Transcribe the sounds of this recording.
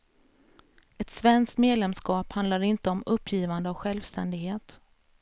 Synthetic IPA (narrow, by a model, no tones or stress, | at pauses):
ɛt̪svɛnskt̪meːd̪lɛmskɑːphand̪laɾɪnt̪əɔmɵpʰːjiːvand̪əavɧɛlvst̪ɛnd̪ɪɡheːt̪